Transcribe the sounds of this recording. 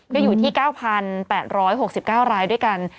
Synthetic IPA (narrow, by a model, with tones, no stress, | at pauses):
kɔː˥˩juː˨˩t̪ʰiː˥˩kaː˥˩wpʰa˧npɛː˨˩t̪̚ɾɔː˦˥jɦo˨˩k̚si˨˩p̚kaː˥˩wɾaː˧jdu˥˩əjka˧n